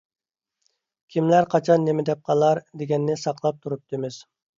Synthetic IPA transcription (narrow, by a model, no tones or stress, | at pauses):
kʲʰimlæɾqʰɑt͡ʃʰɑnːemɪd̪ɛp̚qʰɑlˠɑɾd̪eɡʲɛnːɪsɑqlˠɑp̚t̪ʰuɾup̚t̪ɨmɪz̥